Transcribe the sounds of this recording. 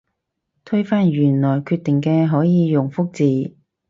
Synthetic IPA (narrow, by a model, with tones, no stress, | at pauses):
t̪ʰɵ˥ɥfaː˥njyː˨˩nlɔː˨˩jkʰyː˧t̪ɪ˨˩ŋkɛː˧ɦɔː˨˥jiː˨˧jʊ˨˩ŋfʊ˥k̚t͡siː˨